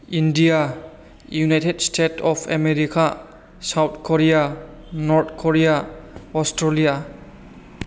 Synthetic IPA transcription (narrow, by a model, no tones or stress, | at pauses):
india | junajtʰedstʰetʰɔpʰa̰meɾikʰa | sawt̪̚ʰkʰoɾija | nɔɾt̪̚ʰkʰoɾijaɔstɾelia